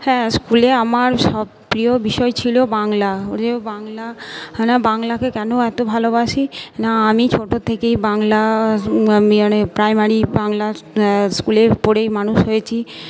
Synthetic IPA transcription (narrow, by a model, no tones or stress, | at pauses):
hɛ̃skuleamaɾʃɔ | pɾiobiʃɔet͡ɕʰilobaŋlaoebaŋlanabaŋlakekɛnoɛt̪obʱalobaʃinaamit͡ɕʰoʈot̪ʰekejbaŋla | amianepɾajmaɾibaŋlaskulepoɽejmanuʃɦojet͡ɕʰi